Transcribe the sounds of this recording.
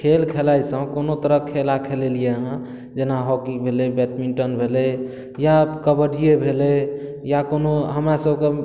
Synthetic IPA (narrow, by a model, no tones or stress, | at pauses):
kʰelkʰelajsə̃konot̪əɾəkʰelakʰelelijeɦə̃ | d͡ʒenaɦɔkibʱelebɛt̪miɳʈənbʱelɛ | jakəbəɖijebʱelɛ | jakonoɦəmɾasəbʱke